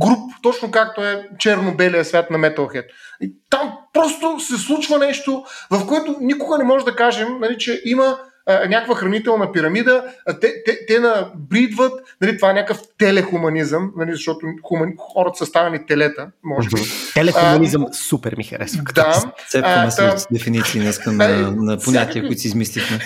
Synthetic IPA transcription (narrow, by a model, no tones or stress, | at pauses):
ɡɾupt̪ɔt͡ʃnokak̚t̪oɛt͡ʃɛɾnobɛlijəsvʲat̪nɐmɛt̪ɐlˠxɛt̪̚it̪ampɾɔst̪osɛslˠut͡ʃvɐnɛʃt̪ovɐfkoɛt̪ʊnikʊɡənɛmɔʒɛd̪ɐkaʒɛmnɐlit͡ʃɛʔimɐː | nʲakvəxɾɐnit̪ɛlˠnɐpiɾɐmid̪ət̪ɛt̪ɛt̪ɛd̪ɐbɾid̪vət̪nɐlit̪ovaɛnʲakəft̪ɛlɛxʊmɐnizəmnɐlizɐʃt̪ɔt̪ʊxʊmɐnxɔɾɐt̪ə̥səst̪avɐnit̪ɛlɛt̪əmɔʒɛbit̪ɛlɛʊmɐnizəmsupɛ̰ɾmixɐ̰ɾɛ̰sɐkd̪asɛɛsd̪ɛfinit̪siːnɐiskənɐnɐpoɲʲat̪iəkʊit̪sizmislit̪ɛ